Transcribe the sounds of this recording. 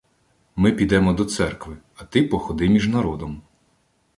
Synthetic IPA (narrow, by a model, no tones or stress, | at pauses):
mɪpʲid̪ɛmɔd̪ɔt̪sɛrkʋɪ | ɐt̪ɪpɔxɔd̪ɪmʲiʒnɐɾɔd̪ɔm